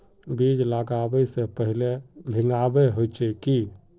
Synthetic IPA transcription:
bid͡ʒlaɡabəsẽpəɦilebʱiŋabeɦojt͡ʃɛki

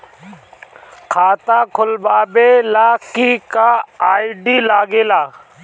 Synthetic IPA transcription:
kʰaːt̪aːkʰʊlbaːbeːlaːkiːkaːaːiɖiːlaːɡeːlaː

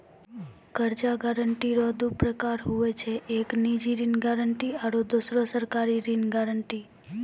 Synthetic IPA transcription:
kəɾd͡ʒaɡaɾəɳʈiɾɔd̪upɾəkaɾɦuʋet͡ʃʰeʔeknid͡ʒiɾinɡaɾəɳʈiaɾod̪osɾosəɾkaɾiɾinɡaɾəɳʈi

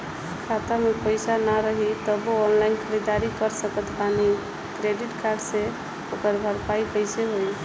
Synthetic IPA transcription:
kʰat̪amepəjsanaɾəɦit̪əboːnlajnkʰəɾid̪aɾikəɾsəkət̪ʰpani | kɾeɖiʈkaɾɖse | okəɾbʱəɾpajkəjseɦoj

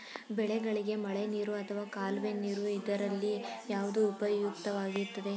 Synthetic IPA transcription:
bɛɭɛɡɐɭiɡe̞mɐɭeniːɾuɐt̪ʰɐʋaːkaːlʋeniːɾuid̪ɐɾɐlːijaːʋud̪uːpɐjukt̪ɐʋaːɡiɾt̪ːɐd̪e̞

